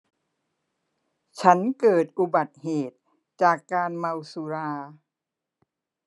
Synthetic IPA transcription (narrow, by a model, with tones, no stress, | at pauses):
t͡ɕʰa˦˥nkɤː˨˩t̪̚ʔu˧ba˨˩t̪̚heː˨˩t̪̚ | t͡ɕaː˨˩kːaː˧nma˧wsu˧ɾaː˧